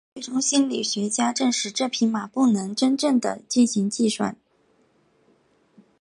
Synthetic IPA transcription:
we˥˩ʈ͡ʂʊ˥ŋɕi˥nli˨˩ɕɥɛ˧˥t͡ɕja˥ʈ͡ʂɤ˥˧ŋʂɻ̩˧˩ʈ͡ʂɤ˥˩pʰi˧˥ŋma˨˩pu˥˩nɤ˧˥ŋʈ͡ʂə˥nʈ͡ʂɤ˥˩ŋd̪ə̰˩t͡ɕi˥˩nɕi˧˥ŋt͡ɕi˥˧ʂwa̰˥˩n

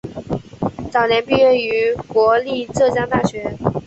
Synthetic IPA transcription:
t͡sɑ˨˩ʊnjɛ˧˥npi˥˧ɥɛ˥˩y˧˥kwɔ˧˥li˥˧ʈ͡ʂɤ˥˧˩t͡ɕjɑ˥ŋt̪a˥˩ɕɥɛ˧˥

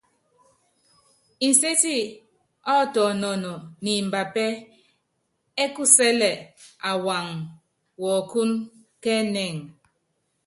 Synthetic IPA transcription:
se˦ti˦˨ | ɔ˦˨tɔ˨nɔ˨nɔ˨ni˨m̩˨ba˨pɛ˦ | e˦ku˦sɛ˦lɛ˨a˨wa˨ŋ | wɔ˨ku˦n | kɛ˦nɛ˨ŋ

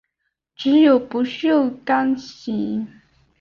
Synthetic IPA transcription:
ʈ͡ʂɻ̩˧˥jo˨˩ʊpu˧˥ɕy˥o˥˧˩ka˥nɕi˧˥ŋ

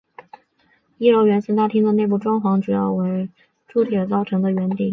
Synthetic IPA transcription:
i˥˩ɻo˧˥ʊɥɛ˧˥ns̩˥t̪a˥˩t̪ʰi˥ŋd̪ə˨ne˥˧ɪp̬u˥˩ʈ͡ʂwɑ˥ŋxwɑ˧˥ŋʈ͡ʂu˨˩jɑ˥˩ʊwe˧˥ɪ | ʈ͡ʂu˥t̪ʰjə˨˧˩t͡sɑ˥˩ʊʈ͡ʂʰɤ˧˥ŋd̪ə˧ɥɛ˧˥nt̪ḭ˥˩ŋ

